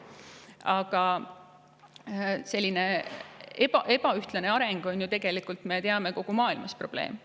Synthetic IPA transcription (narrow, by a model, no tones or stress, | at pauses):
ɑɡ̥ɑ | se̞lʲːine̞ | epɑʔe̞b̥ɑyht̪lɑne̞ɑɾe̞ŋɡ̥o̞nʲjut̪eɡe̞likˑult̪ˑme̞t̪eɑme̞ko̞ɡ̥umɑːilmɑspro̞b̥le̞̰ːm